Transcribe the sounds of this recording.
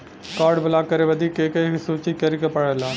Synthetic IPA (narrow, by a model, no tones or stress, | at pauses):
kɔɾɖbəlakəɾebəd̪ʱikekesut͡ʃit̪̚kəɾikepəɽɛlan